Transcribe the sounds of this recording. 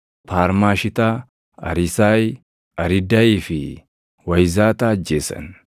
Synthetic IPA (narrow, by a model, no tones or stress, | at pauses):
paːɾmaːʃɪt̪a | ɐ̰ɾɪsaːj | ɐɾɪd̪ɐiːfɪ | wɐjzaːt̪aɐd͡ʒːeːsɐ̰n